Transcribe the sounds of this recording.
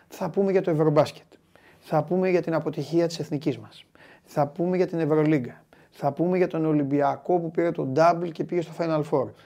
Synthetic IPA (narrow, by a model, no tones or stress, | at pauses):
θɐpume̞ʝɐt̪oe̞vɾo̞bɐsce̥t̪ | θɐpume̞ʝɐt̪inɐpo̞t̪içiɐt̪i̥se̞θnicizmɐs | θɐpume̞ʝɐt̪ine̞vɾo̞liɡɐ | θɐpume̞ʝɐt̪o̞neolimbiɐko̞pupiɾe̞t̪o̞d̪ɐblce̞piʝest̪ofɐjnɐlfo̞ɾ